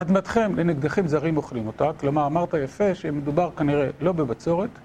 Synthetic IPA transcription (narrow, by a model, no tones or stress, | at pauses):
ad̪mat̪χe̞mleniɡd̪aχimzaʁimo̞χlimo̞taklamaʁamaʁt̪ajafe̞ʃeme̞d̪ubaʁkaniʁelo̞bebat͡so̞ʁe̞t̪